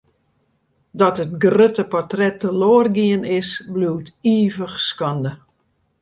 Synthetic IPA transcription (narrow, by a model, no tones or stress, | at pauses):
dɔtət̚ɡrøtəpɔrtrɛtːəloərɡiənɪsbluːtiːvəxskɑndə